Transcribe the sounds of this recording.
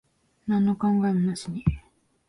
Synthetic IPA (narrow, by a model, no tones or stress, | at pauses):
nãnːokãŋɡannaɕiɲi